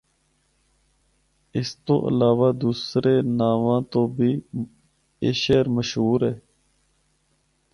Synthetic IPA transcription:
ɪst̪o̰ːʔə̰laːʋaːd̪uːsɾeːnaːʋãːt̪oːbʱiː | eːʃeːɾməʃɦuːɾɦeː

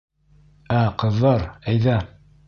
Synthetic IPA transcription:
æqɤ̆ðːɑɾæjðæ

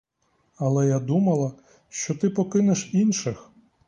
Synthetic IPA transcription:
ɐlˠɛjad̪umɐlˠɐ | ʃt͡ʃɔt̪ɪpɔkɪnɪʃinʃɪx

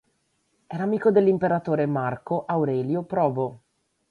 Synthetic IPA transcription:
ɛːɾaːmiːkod̪elːimpeɾat̪oːɾemarkoʔawɾɛːljopɾɔːbo

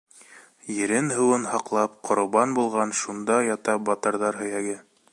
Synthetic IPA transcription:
jɘ̆ɾɘnɦɤ̆wɤnhɑqlˠɑpqʰŏɾŏβɑnbulˠʁɑnʃund̪ɑjɑt̪ɑbɑt̪ɑɾðɑɾɦɵ̆jæɡɘ

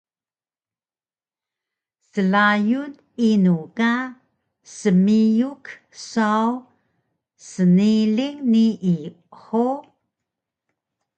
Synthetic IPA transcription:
səlajun | inuka | səmijuk | saw | səniliŋniʔː | ħo

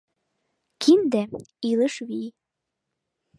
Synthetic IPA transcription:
kʰind̪æilɤʃβi

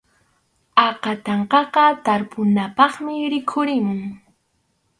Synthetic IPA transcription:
ɑqɑt̪ɑɴqɑqɑt̪aɾpʊnapɑχmɪɾɪkʰʊɾɪmʊŋ

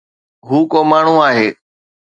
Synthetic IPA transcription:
ɦuːkoːmaːɳ̤ũaːɦeː

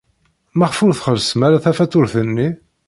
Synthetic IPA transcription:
mæχfʊɾθχəɾsəmæɾæθæfæt͡s̪ːʊɾθənːi

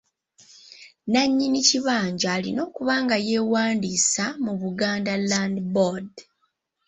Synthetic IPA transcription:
naɲːiniciβaːɲɟaːlino̞ːkuβaːŋɡaje̞ːwaːndisamuβuɡaːndalandbod

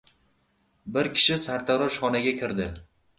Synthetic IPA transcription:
bɪɾkʲʰɪ̥ʃɪsaɾt̪ʰaɾɒʃχɒnaɡʲakʲʰɪɾd̪ɪ

